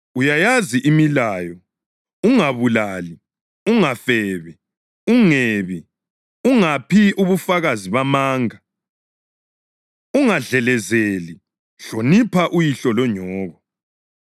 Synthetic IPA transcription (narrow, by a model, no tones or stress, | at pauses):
ujajaziʔimilajɔ | uŋaβulali | uŋafɛβɛ | uŋeːβi | uŋapʰiʔuβufaɣaziβamaːŋa | uŋaɮɛlɛzeli | ɬonipʰaʔujiɬɔlɔɲɔːɣɔ